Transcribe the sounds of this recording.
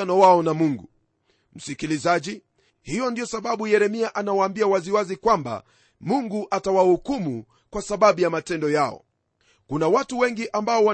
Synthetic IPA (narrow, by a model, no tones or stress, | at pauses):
anɔwaɔnamuŋɡu | m̩sikilizaʄi | hijɔndijɔsaɓaɓujɛɾɛmiaʔanawaːmbiawaziwazikwamba̰ | muŋɡuʔatawahukumu | kwasaɓaɓujamatɛndɔjaɔ̰ | kunawatuwɛŋɡiʔambaɔwa